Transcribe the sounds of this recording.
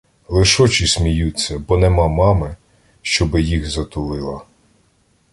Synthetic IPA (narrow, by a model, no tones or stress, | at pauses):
lˠɪʃɔt͡ʃisʲmʲijut͡sʲːɐbɔnemɑmɑmɪ | ʃt͡ʃɔbɪjixzɐt̪ʊlˠɪlˠɐ